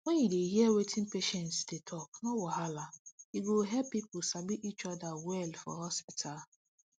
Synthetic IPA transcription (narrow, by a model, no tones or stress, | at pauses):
wɔɲideiɦiewetʰɪ̃n̩peʃɛntsdetʰɔknɔwɔɦalaiɡoɦɛpːipʊsabiʔit͡ʃɔdawɛlfɔ̰ɦɔspitʰa